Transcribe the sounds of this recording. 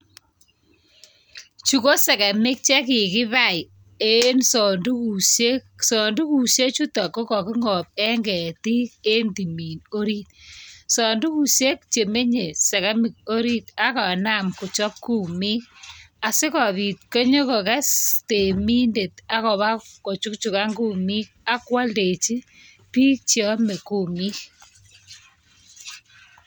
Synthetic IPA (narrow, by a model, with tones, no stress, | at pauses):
t͡ʃu˨ko˦sɛ˨kɛ˨mɪ˦k̚t͡ʃɛ˦ki˨kɪ˦βa˦˨i˨ | e˦nsɔ˨ndu˦ku˨se˦ksɔ˨ndu˦ku˨ʃe˦t͡ʃu˦tɔ˨ko˦kɔ˨kɪ˦ŋɔ˨p̚ɛ˦ŋɡɛ˨ti˦ke˦ndi˨mi˨no˦ɾi˦t̚sɔ˨ndu˦ku˨se˦k̚t͡ʃe˨me˦ɲe˨sɛ˨ɣɛ˦mɪ˨k̚o˦ɾi˦ta˦kɔ˨na˦˨mku˨t͡ʃɔ˦p̚ku˦mi˦k̚a˨sɪ˦kɔ˨ði˨t̚ko˦ɲo˦kɔ˨kɛ˦ste˨mi˦nde˨ta˦kɔ˨βa˦ko˨t͡ʃu˦kt͡ʃu˨ka˦ŋɡu˦mi˦k̚a˦kwa˦lde˨t͡ʃi˦ | piː˦k̚t͡ʃjɔ˦me˨ku˨mi˦k